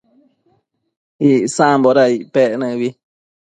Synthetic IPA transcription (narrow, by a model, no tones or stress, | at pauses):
iʔsãmbɔɾaiʔpɛʔnɨ̃βi